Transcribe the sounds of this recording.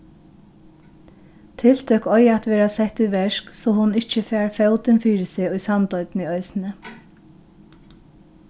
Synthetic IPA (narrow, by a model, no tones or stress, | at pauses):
t̪ʰɪl̥t̪ʰœkɔjɛt̪ʋɛːɾasɛht̪ʊjʋɛʂksɔːhʊnɪht͡ʃəfæːɹfœwt̪ɪnfiːɾsɪːʊjsant̪ɔʏt̪niœʏsɪnə